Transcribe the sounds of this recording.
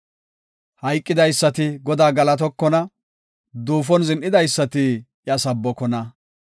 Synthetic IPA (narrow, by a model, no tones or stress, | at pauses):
hɐjkʼːɪd̪ɐjsːɐt̪ɪɡɔd̪aːɡɐlɐt̪̬ɔkːɔnɐ | d̪uːfɔnzɪnʔɪd̪ɐjsːɐt̪ɪ | jɐsɐbːɔkɔnɐ